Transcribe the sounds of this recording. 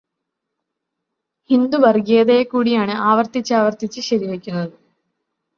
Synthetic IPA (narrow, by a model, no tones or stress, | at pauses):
hind̪ubɐrɡeɐðeːkːuːɽijaːɳɨʔaːʋɐrt̪it͡ɕːaːʋɐrt̪it͡ɕːɨɕɐɾiʋekʲːunːɐðɨ